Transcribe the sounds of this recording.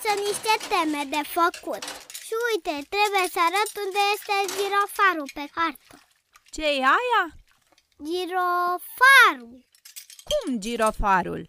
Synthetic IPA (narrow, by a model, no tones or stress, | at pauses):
səniʃt̪e̞t̪emed̪e̞fəkut̪ʃiujt̪et̪ɾe̞bujesəaɾət̪und̪ejest̪eʒiɾofaɾupekart̪o | t͡ʃejeaja | d͡ʒiɾofaɾul | kumd͡ʒiɾofaɾṵl